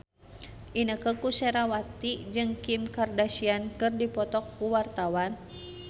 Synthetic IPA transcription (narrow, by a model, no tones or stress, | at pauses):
ʔinəkəkusɛɾawat̪id͡ʒɨŋkimkardaʃiankɨrdipɔt̪ɔkːuwart̪awan